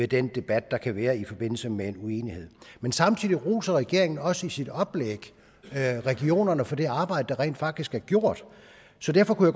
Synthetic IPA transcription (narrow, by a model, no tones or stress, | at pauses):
ed̥end̥e̝b̥æd̥̚ːɑ̈kʰæʋæːɐifɒ̽b̥e̝n̰l̩səmeenue̝ːnihe̝ð̰ˠmensɑ̈mt͡sʰið̰ˠiʁuːsɐʁɛɡ̥e̝ɐ̰eŋn̩ɒ̽səisid̥ɒ̽b̥leɡ̥ | ʁɛɡ̥io̝̰ːnɐnəfɒ̽d̥e̝ɑ̈ːb̥ɑ̈ɪ̰d̥əd̥ɑ̈ʁɛ̰ːnd̥fɑ̈ɡ̥̚d̥isɡ̥æɐɡ̥jo̝ɐ̰d̥ | sɒ̽d̥æɐfɒ̽kujaɡ̥